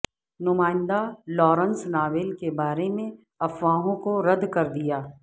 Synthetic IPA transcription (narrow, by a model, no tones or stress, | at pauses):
nʊmaːɪ̃nd̪alɔːɾə̃nsnaːʋelkebaːɾemẽ | ɐfʋaːɦõkoɾɐd̪kɐɾd̪ijaː